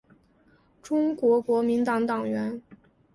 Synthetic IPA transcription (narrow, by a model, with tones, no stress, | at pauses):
ʈ͡ʂʊ˥ŋkwɔ˧˥kwɔ˧˥mi˧˥nt̪ɑ˧˩ŋt̪ɑ˨˩ŋɥɛ˧˥n